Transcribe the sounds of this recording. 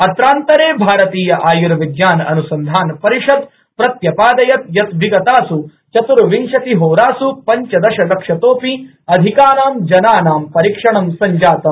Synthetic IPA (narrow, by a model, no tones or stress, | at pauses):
ɐt̪ɾaːnt̪ɐɾeːbʱaːɾɐt̪iːjɐʔaːjuɾɐʋiɡjaːnɐ̰nusɐnd̪ʱaːnpɐɾiʂɐd̪ | pɾɐt̪jɐpaːd̪ɐjɐt̪̚jɐt̪ʋiɡɐt̪aːsu | t͡ʃɐt̪uɾʋinʃɐt̪iɦoːɾaːsupɐɲt͡ʃɐd̪ɐʃɐlɐkʂɐt̪oːpi | ɐd̪ʱikaːnaːmd͡ʒɐnaːnaːmpɐɾikʂɐɳɐmsɐɲd͡ʒaːt̪ɐm